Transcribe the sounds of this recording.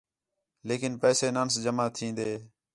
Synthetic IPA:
leːkɪnpɛːseːnaːnsd͡ʒəmaːt̪ʰĩːnd̪eː

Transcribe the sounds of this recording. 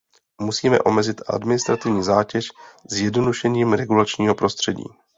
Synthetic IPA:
musiːmɛ̰ʔo̞mɛzɪt̪ʔa̰dmɪnɪst̪ɾat̪ɪvɲiːzaːcɛʃzjɛdnoduʃɛɲiːmɾɛɡulat͡ʃɲiːɦo̞pɾo̞st̪r̝̥ɛɟḭː

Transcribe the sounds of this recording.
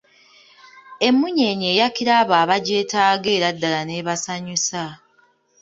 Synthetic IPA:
e̞mːuɲe̞ːɲe̞ːjakiɾaβaːβaɟeːtaːɡeːɾadːalaneːβasaɲusa

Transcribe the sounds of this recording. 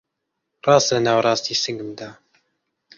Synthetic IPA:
rˤɑːst̪lɐnaːwɾˤɑːst̪iːsɨŋɡɨmd̪aː

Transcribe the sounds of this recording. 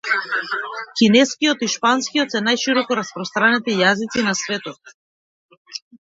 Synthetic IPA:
kinɛskiɔt̪iʃpanskijɔt̪sɛnajʃiɾɔkɔɾaspɾɔst̪ɾanɛt̪ijazit̪sinasvɛt̪ɔt̪̚

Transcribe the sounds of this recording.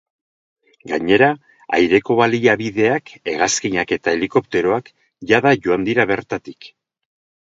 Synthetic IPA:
ɡaɲe̞ɾa | a̰jɾe̞ko̞βaliaβiðe̞ake̞ɣaskiɲake̞t̪ae̞liko̞pt̪e̞ɾo̞ak | ʝaðaʝo̞and̪iɾaβe̞ɾt̪at̪ik

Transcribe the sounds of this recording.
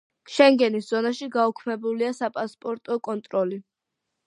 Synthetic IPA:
ʃɛŋɡɛnisz̥ɔnaʃiɡaukʰmɛbuliasapʼaspʼɔɾt̪ʼɔkʼɔnt̪ʼɾɔli

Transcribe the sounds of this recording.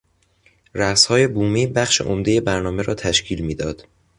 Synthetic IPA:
ɾæshɒːje̞buːmiːbæxʃḛʔomd̪e̞je̞bæɾnɒːmeɾɒːt̪ʰæʃcʰiːlmiːd̪ɒːd̪̥

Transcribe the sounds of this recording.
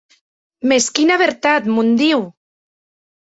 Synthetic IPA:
meskinaβeɾt̪at̪mund̪iw

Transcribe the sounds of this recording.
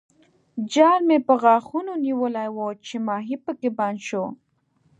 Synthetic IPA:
d͡ʒɑɾmepəɣɑxunoniwəlajwot͡ʃemɑɦipəkebɑnʃo

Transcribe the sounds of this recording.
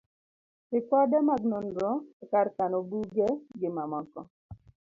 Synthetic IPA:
pɪkɔdɛmaɡnonɾɔkaɾkanobuɡɛɡɪmamɔkɔ

